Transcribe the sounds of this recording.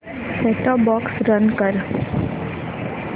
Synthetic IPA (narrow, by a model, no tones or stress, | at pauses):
sɛːʈaːbɔːksɾənkəɾ